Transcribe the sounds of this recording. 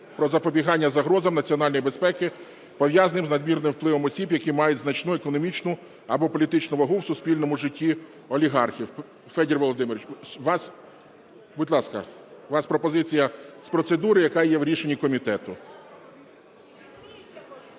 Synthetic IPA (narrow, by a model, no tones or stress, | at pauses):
pɾɔzɐpɔbʲiɦɑnʲːɐzɐɦɾɔzɐmnɐt͡sʲiɔnɑlʲnjibespɛkɪ | pɔʋjɑzɐnɪmznɐd̪mʲirnɪmwplˠɪʋɔmɔsʲibjɐkimɑjʊdʲznɐt͡ʃnuekɔnɔmʲit͡ʃnʊ | ɐbɔpɔlʲit̪ɪt͡ʃnʊʋɐɦuwsʊspʲilʲnɔmʊʒɪtʲːi | ɔlʲiɦɑrxʲiw | fɛdʲirʋɔlˠɔd̪ɪmɪɾʲit͡ʃʋɑs | bʊdʲlˠɑskɐ̰ | ʋɑspɾɔpɔzɪt͡sʲijɐspɾɔt̪sed̪uɾɪjɐkɑjɛʋɾʲiʃenʲikɔmʲit̪ɛt̪ʊ